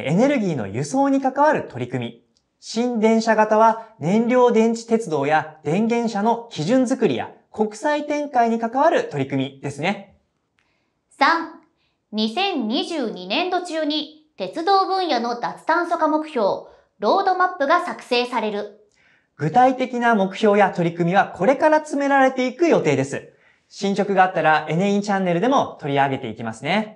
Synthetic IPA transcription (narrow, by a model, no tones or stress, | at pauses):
e̞ne̞ɾɯ̟ɡʲiːno̞̰jɯ̟so̞ːɲ̟ikakaβaɾɯ̟t̪o̞ɾʲikɯ̟mʲi | ɕĩnd̪ẽ̞ɰ̃ɕaɡat̪aβanẽ̞nɾʲo̞ːd̪ẽ̞ɲ̟t͡ɕi̥t̪e̞t͡sɨd̪o̞ːjad̪̥ẽ̞ŋɡẽ̞ɰ̃ɕano̞kʲiʑɨ̃nd͡zɨkɯ̟ɾʲḭja̰ | ko̞kɯ̥sait̪ẽ̞ŋkaiɲ̟ikakaβ̞aɾɯ̟t̪o̞ɾʲikɯ̟mʲid̪̥e̞sɨne̞ | sãŋ | ɲ̟isẽ̞ɲɲʲiʑɨːɲ̟inẽ̞nd̪o̞t͡ɕɨɯɲ̟i | t̪e̞t͡sɨd̪o̞ːbɯ̟̃ɰ̃jano̞d̪at͡sɨ̥t̪ãɰ̃so̞kamo̞kɯ̟̥çʲo̞ː | ɾo̞ːd̪o̞mapːɯ̟ɡasakɯ̟̥se̞ːsaɾe̞ɾɯ̟ | ɡ̥ɯ̟t̪ait̪e̞kʲinamo̞kɯ̟̥ço̞ːjat̪o̞ɾʲikɯ̟mʲiβ̞akʰo̞ɾe̞kaɾat͡sɨme̞ɾaɾe̞t̪e̞ikɯ̟jo̞t̪e̞ːd̪e̞sɨ | ɕĩɲ̟t͡ɕo̞kɯ̟ɡaːt̪ːaɾaʔe̞neĩɲt͡ɕãnːe̞ɾɯ̟d̪e̞mo̞t̪o̞ɾʲiaɡe̞t̪e̞ikʲimasɨne̞